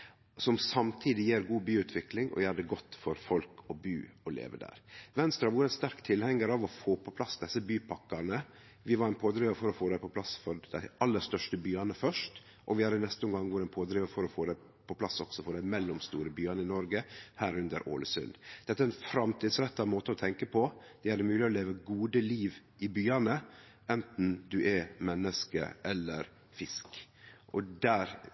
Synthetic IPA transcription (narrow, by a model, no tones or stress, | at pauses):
sɔmsɑmt̪ʰiːd̪ɪjeːɾɡuːbyːʉːt̪ʰʋɪklɪŋʔɔ̰jæhɑd̪ɛɡɔt̪ːfɔɾfɔlkʰɔby̰ːɔlḛːʋəd̪æ̰ːɾʋɛnst̪ɾɑʋuːɾɛnst̪æɾkt̪ʰɪlhɛŋːəɾɑʋɔfoːpʰɔpʰlɑsd̪ɛsːəbyːpʰɑkːɑɾnə | ʋɪʋɑɾɛnpʰoːd̪ɾɪːʋəfɔɾɔfoːd̪æɪpɔpʰlɑsfɔɾd̪æ̰ɪɑlːəɾst̪œʂʈəbyːɑnəfœʂt | ʔɔʋɪhɑɾɪnɛst̪əʊŋɡɑŋːʋʊɾɛnpʰoːd̪ɾɪʋəfɔɾɔfoːd̪æɪ | pʰɔpʰlɑsɔɡ̥sɔfɔɖæɪmɛlːɔmst̪uːɾəbyːɑnəɪnɔɾɡəhæːɾʉnd̪əɾʔo̰ːləsʉ̰nd̪d̪̥ɛt̪ːəæɾɛnfɾɑmt̪ʰiːd̪sɾɛt̪ːɑmoːt̪əɔt̪ʰɛŋkəpʰɔd̪̥ɛæɾɛmʉːlɪɔleːʋəɡuːd̪əliːʋ | ʔɪbyːɑnə | ɛnt̪n̩d̪ʉʔɛmɛnːəskə̰ʔɛlːəɾ | fɪsk | ʔɔd̪æːɾ